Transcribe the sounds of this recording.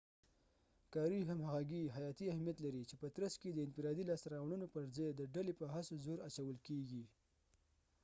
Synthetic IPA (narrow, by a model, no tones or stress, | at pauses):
kɑɾiɦamhaɣaɡiɦajɑt̪iahmijat̪laɾit͡ʃepət̪ɾasked̪əɪnfɪɾɑd̪ilɑst̪aɾɑwɳunopəɾzɑjd̪əɖalepəɦasozoɾat͡ʃawəlkeɡi